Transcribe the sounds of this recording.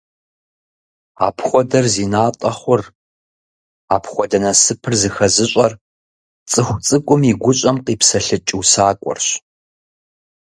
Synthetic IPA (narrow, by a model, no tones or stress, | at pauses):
a̰ːpʰχʷɔdɐrziːnaːtʼɐχʷʊr | aːpʰχʷɔdɐnɐsɨpʰɨrzɨxɐzɨɕʼɐr | t͡sʼɨxʷt͡sʼɨkʷʼʊmiɡʷʊɕʼɐmqiːpsɐɬɨt͡ʃʼɪwsaːkʷʼɔ̰rɕ